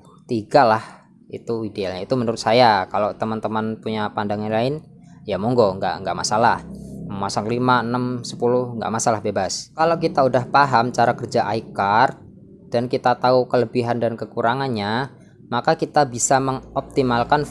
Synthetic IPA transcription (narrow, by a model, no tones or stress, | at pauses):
t̪iɡalah | ḭt̪uidealɲait̪umənəɾʊt̪sajakalot̪əmant̪əmanpuɲapandaŋanlaɪn | jamɔŋɡoŋɡa̰ʔŋɡa̰ʔmasalahməmasaŋlimaənəmsə̥pulʊhŋɡa̰ʔmasalahbebaskalokit̪audahpaɦamt͡ʃaɾakərd͡ʒaʔaikart̪̚ | d̥ankit̪at̪aukələbiɦandankəkuɾaŋanɲa | makakit̪abisaməŋɔp̚t̪imalkan